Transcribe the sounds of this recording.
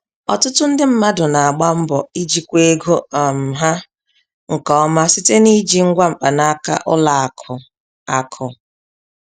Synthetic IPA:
ɔ̰˨tʊ˦tʊ˦n̩˦dɪ˦m̩˦ma˦dʊ˨na˨a˨ɡ͡ba˦m̩˦bɔ˨i˦d͡ʒi˨kʷe˦ɡo˦˨m̩˨ɦa˦ | ŋ̩˨kɔ˦ɔ˦ma˦si˦te˦ni˦d͡ʒi˦˨ŋ̩˦ɡʷa˦m̩˨k͡pa˨na˦ka̰˦ʔʊ˦la˨a˨kʰʊ˨ | a˨kʰʊ˨

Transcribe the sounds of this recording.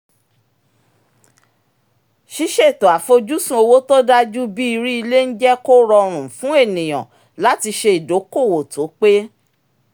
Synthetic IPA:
ʃi˦ʃe˦i˨to˨a˨fo˧d͡ʒu˦sũ˦o˧wo˦to˦da˦d͡ʒu˦bi˦i˧ɾi˦i˧le˦n̩˦d͡ʒɛ˦ko˦ɾɔ˧ɾ̃ũ˨fũ˨˦e˦˨nĩ˨j̃ɔ̰̃˨ | la˦ti˧ʃe˧i˨do˨˦ko˦˨wo˨to˨˦k͡pe˦

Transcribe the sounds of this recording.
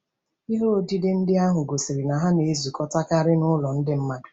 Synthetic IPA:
i˦ɦo˦o˦˨di˦de˦n̩˦dɪ˦a˦ɦʊ˨ɡo˨si˨ɾi˨na˨ɦa˦ne˨˦˨zu˨kɔ˦ta˦ka˦ɾɪ˦nʊ˦lɔ˨n̩˦dɪ˦m̩˦ma˦˨

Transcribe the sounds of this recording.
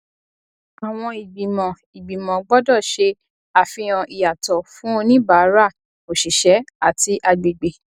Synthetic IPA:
a˨w̃ɔ̃˧i˨ɡ͡bi˨mɔ̃˨ | i˨ɡ͡bi˨mɔ̃˨ɡ͡bɔ˦dɔ˦˨ʃe˧ | a˨fĩ˧ɔ̃˧ʔi˨ja˨tɔ˨fũ˦o˧nĩ˦ba˨˦ɾa˦˨ | o˨ʃi˨ʃɛ˨˦a˨ti˧ʔa˧ɡ͡be˨ɡ͡be˨

